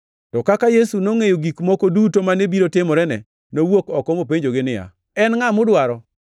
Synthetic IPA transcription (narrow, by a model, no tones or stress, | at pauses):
tɔkakajesunoŋejoɡikmɔkodutomanebiɾotɪmɔɾɛnɛ̰ | nowokɔkɔmop̬eɲd͡ʒoɡɪnɪja̰ | ɛnŋamʊdwaɾɔ